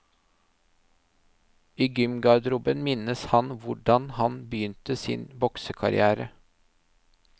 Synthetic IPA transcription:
iːɡʏmɡɑd̪ɾʊbənmɪnəshɑnʋʊɖɑnhɑnbəjʏnt̪əsɪ̰nbɔksəkʰɑɾɪ̰æːɾə

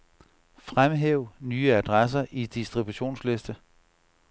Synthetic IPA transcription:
fʁamɦeʊ̰nyːəæd̥ʁas̬ɐʔid̥isd̥ʁib̥uɕo̝̰ːnsle̝sd̥ə

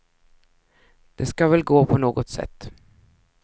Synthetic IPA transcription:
d̪̥ɛskavɛlɡoːpʰɔnoːɡɔt̪sɛ̰t̪ː

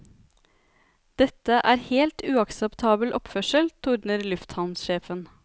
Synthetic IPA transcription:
d̪̥ɛt̪əʔæːɾheːlt̪ʉːɑksəpt̪ʰɑːbəl̩ʔɔpfœʃəlt̪ʰʊɾɳəɾlʉft̪hɑnsʃeːfən

